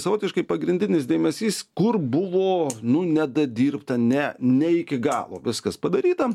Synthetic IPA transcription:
sɐʋoːt̪ʲɪʃkɐɪpɐɡɾʲɪnʲdʲɪnʲɪs̬d̪ʲeːmʲɛsʲiːskʊrbʊʋoːnʊnʲɛd̪ɐd̪ʲiːɾpt̪ɐnʲɛnʲɛɪkʲɪɡɑ̰ːlˠo̰ːʋʲɪskɐspɐd̪ɐɾʲiːt̪ɐ

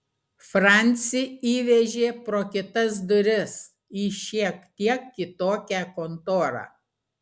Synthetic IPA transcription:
fɾɑˑnʲt̪sʲɪiːʋʲɛʒʲeːpɾoːkʲɪt̪ɐs̬d̪ʊɾʲɪs | iːʃʲiɛkt̪ʲiɛkːʲɪt̪oːkʲækont̪oːɾɑ̰ː

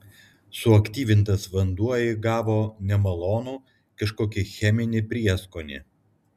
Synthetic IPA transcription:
sʊɐkʲt̪ʲiːʋʲɪnt̪ɐsʋɐnd̪uɔjɪɡɑːʋoːnʲɛmɐlˠoːnuː | kɐʃkoːkʲɪxʲɛmʲɪnʲɪpʲɾʲiɛskoːnʲɪ̰

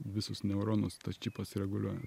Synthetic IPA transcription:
ʋʲɪsʊsnʲɛʊɾoːnʊst̪ɐt͡ʃʲipɐsʲɪɾʲɛɡʊlʲuɔjɛ

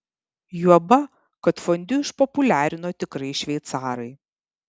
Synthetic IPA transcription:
juɔbɐ | kɐt̪fɔnʲd̪ʲʊɪʃpɔpʊlʲæːɾʲɪnoːt̪ʲɪkɾɐɪʃʲʋʲɛɪt̪sɑːɾɐɪ

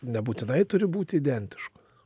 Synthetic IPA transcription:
nʲɛbuːt̪ʲɪnɐɪt̪ʊɾʲɪbuːt̪ʲɪid̪ʲɛnʲt̪ʲɪ̥ʃkɐ̥s

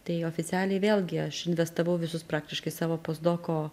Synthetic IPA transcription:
t̪ɐɪoːfʲɪt͡s̪ʲæːlʲɛɪʋʲeːlˠɡʲɪɐʃɪnʲʋʲɛst̪ɐʋɐʊʋʲɪsʊspɾɑːk̚t̪ʲɪʃkɐɪsɑːʋoːpoːsd̪oːkoː

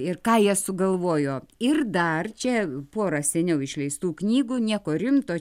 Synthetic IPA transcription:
ɪrkɑːjiɛsʊɡɐlˠʋoːjoːɪrd̪ɐrt͡ʃʲɛpoːɾɑsʲɛnʲɛʊɪʃʲlʲɛɪst̪uːknʲiːɡuːnʲiɛkoːɾʲɪmt̪oː

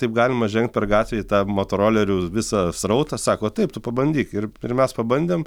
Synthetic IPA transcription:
t̪ɐɪpɡɑːlʲɪmɐʒʲɛŋkt̪̚ʲpʲɛrɡɑːt̪ʲʋʲeːt̪ɑːmoːt̪oɾoːlʲɛɾʲuːʋʲɪsɑsrɐʊt̪ɐsɑːkoːt̪ɐɪpt̪ʊpɐbɐnʲd̪ʲiːkɪrɪrmʲɛspɐbɐnʲd̪ʲeːm

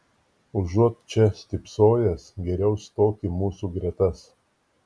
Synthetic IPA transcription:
ʊʒuɔt̪t͡ʃʲɛsʲt̪ʲɪpsoːjɛsɡʲɛɾʲɛʊst̪oːkʲimuːsuːɡɾʲɛt̪ɐs

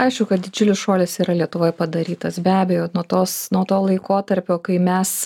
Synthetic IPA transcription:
ɐɪʃkʊkɐt̪̚d̪ʲɪd͡ʒʲʊlʲɪsʃoːlʲɪsiːɾɐlʲiɛt̪ʊʋoːjpɐd̪ɐɾʲiːt̪ɐsbʲæːbʲɛjoːnuɔt̪oːsnuɔt̪oːlˠɐɪkoːt̪ɐɾʲpʲoːkɐɪmʲɛs

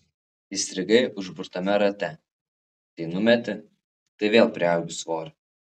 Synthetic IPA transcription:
isʲt̪ʲɾʲɪɡɐɪʔʊʒbʊɾt̪ɐmʲɛɾɐt̪ʲɛ | t̪ɐɪnʊmʲɛt̪ʲɪ | t̪ɐɪʋʲeːlˠpʲɾʲɪɐlʲɡʲʊsʋoːɾ

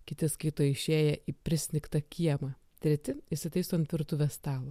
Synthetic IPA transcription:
kʲɪt̪ʲɪskɐɪt̪oːjɪʃʲeːjɛʔiːpʲɾʲɪsʲnʲɪkt̪ɐkʲʰiɛmɐ | t̪ʲɾʲɛt̪ʲɪɪʃʲsʲɪt̪ɐɪst̪oːɐnt̪ʋʲɪɾt̪ʊʋʲɛst̪ɑːlˠo

